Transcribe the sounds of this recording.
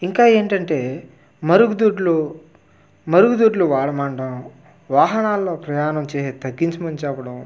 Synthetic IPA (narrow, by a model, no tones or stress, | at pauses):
iŋkaːe̞ːɳʈɐɳʈe̞ː | mɐɾuɡud̪uːʈlu | mɐɾuɡud̪uːʈluʋaːɭɐmaːɳɖɐm | ʋaːɦɐnaːlːo̞ːpɾɐjaːnɐmt͡ʃeːset̪ɐɡːiɲt͡ʃɐmɐnt͡ʃaːpːɐɽɐm